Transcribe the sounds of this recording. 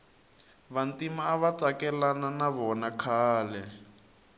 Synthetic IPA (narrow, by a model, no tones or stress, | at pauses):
βantimaːβat͡sakɛlananaβɔnakʰaːlɛ